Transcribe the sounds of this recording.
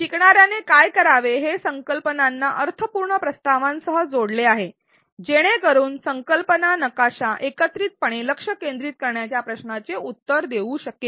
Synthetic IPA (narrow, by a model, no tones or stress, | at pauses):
kikɳaɾjanekajkəɾaʋeɦesəŋkəlpənanːaʔəɾt̪ʰəpuɾɳəpɾəst̪aʋãnsəɦəd͡zoɽleaɦe | d͡ʑeɽ̃ekəɾuːnsəŋkəlpənanəkaɕaʔekət̪ɾiːt̪̚pəɽ̃eləkʂəkend̪ɾiːt̪̚kəɾɳjat͡ɕjapɾəɕnat͡seut̪ːəɾd̪eʋuːɕəkːe